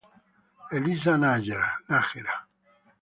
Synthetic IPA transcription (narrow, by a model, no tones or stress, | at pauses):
elizanad͡ʒeɾanaxeɾa